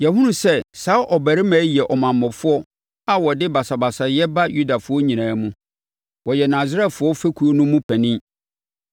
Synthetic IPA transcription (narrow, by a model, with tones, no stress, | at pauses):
jɛ˨hʊ̃˦nũ˦˨sɛ˦saː˨˦ʔɔ˨bæ˨ɾɪ˦mæ̃ː˨˦jɛ˨ʔɔ˨mã˨mːɔ̃˨fʊ˦ɔ˦ | a˦wɔ˨dɪ˦ba˨sa˨ba˨sa˨jɛ˦ba˦ju˦da˨fʊ˦ɔ˦ɲĩ˨nãː˨˦mũ˦ | wɔ˨jɛ˨nã˨zɾɛ˦˨fʊ˨˦ɔ˦fæ˦kʰu˦o˦nʊ̃˦mũ˦pʰæ̃˨nɪ̃˦